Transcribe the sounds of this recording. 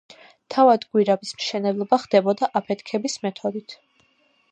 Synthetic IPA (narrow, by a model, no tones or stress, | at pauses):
t̪ʰavad̪ɡwiɾabismʃɛnɛblˠɔbaχd̪ɛbɔd̪aʔapʰɛt̪ʰkʰɛbismɛt̪ʰɔd̪it̪ʰ